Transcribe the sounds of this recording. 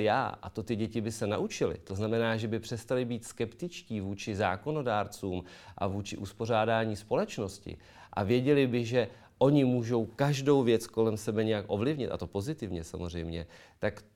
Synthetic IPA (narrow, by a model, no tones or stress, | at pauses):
ja̰ːʔa̰t̪o̞t̪ɪɟɛcɪbɪsɛna̰ʔut͡ʃɪlɪ̰t̪o̞znamɛnaːʒɛbɪpr̥ɛst̪alɪbiːt̪skɛpt̪ɪt͡ʃciːvuːt͡ʃɪzaːko̞no̞daːɾt͡suːmʔa̰vuːt͡ʃɪʔuspo̞r̝aːdaːɲiːspo̞lɛt͡ʃno̞scɪ̰ | ʔa̰vjɛɟɛlɪbɪʒɛ | ʔo̞ɲɪmuːʒo̞wkaʒdo̞wvjɛt͡sko̞lɛmsɛbɛɲɛjakʔo̞vlɪvɲɪt̪ʔa̰t̪o̞po̞zɪt̪ɪvɲɛsa̰mor̝ɛjmɲɛ | t̪ak